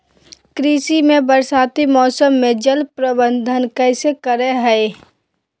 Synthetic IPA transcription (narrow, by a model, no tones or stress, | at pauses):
kɾiːsimẽbəɾsaːt̪imɔːsəmːẽd͡ʒəlpɾəbə̃nd̪ʱənkɛɪsekəɾeɦɛe